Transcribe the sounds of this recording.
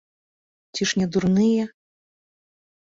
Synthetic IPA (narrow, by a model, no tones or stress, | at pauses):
t͡sʲiʂnʲɛd̪urnɨjɛ